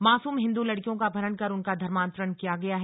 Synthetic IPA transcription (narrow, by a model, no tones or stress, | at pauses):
maːsuːmɦɪ̃nd̪ulɐɽkijõkabʱɐɾənkɐɾʊnkad̪ʱɐɾmãːnt̪ɾəɳkijaɡɐjaɦɛ